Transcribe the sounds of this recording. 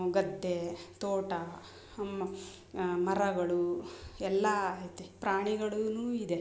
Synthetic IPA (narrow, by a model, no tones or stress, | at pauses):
ɡɐd̪ʱːet̪oːʈɐ | mɐ | mɐɾɐɡɐɭuɛlːɐːjt̪ːepɾaːɳiɡɐɭunuːid̪e